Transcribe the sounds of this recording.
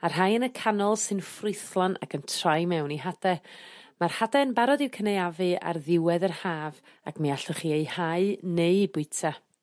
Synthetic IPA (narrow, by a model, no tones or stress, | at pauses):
arɦajənəkʰanɔlˠsɨnfrʊɨθlˠɔnʔa̰kʰəntʰrajmɛwniɦad̥ɛmarhadɛənbaɾɔdɪwkʰənejavɨa̰rðɪwɛðərhaːv | akmiaɬɔχiːejhaɨnejbʊɨtʰa